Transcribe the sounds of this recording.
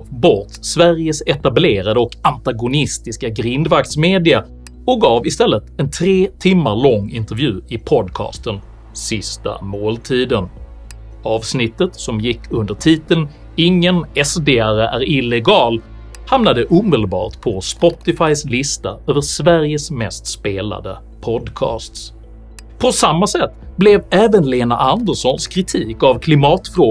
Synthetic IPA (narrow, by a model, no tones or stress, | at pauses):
bɔɾt̪svæɾjəsɛt̪ableːɾad̪əɔkant̪aɡʊnɪst̪ɪskaɡɾɪnd̪vak̚t̪smeːd̪ɪa | ɔk̚ɡɑːvɪst̪ɛlːət̪ɛnt̪ʰɾeːt̪ʰɪmːaɭɔŋːɪnt̪əɾvjʉ̟ːɪpʰɔd̪kʰɑ̰ːst̪ən | sɪst̪a̰moːlt̪ʰiːd̪ən | ɑːvsnɪt̪ːət̪sɔmjɪkʰːɵnd̪əʈʰiːt̪əln | ɪŋːənɛsd̪eːæɾəʔæɾɪlɛɡɑːl | hamnad̪əʔuːmɪd̪əlbɑ̰ːʈ̪pʰɔspɔt̪ɪfajslɪst̪aøːvəʂvæɾjəsmɛst̪speːla̰d̪ə̰ | pʰɔd̪kʰɑ̰ːst̪s | pʰɔsamːasɛt̪ːblɛvɛːvənleːna̰ʔand̪əɾʂɔnskʰɾɪt̪ʰiːkavkʰlɪmɑːt̪fɾoː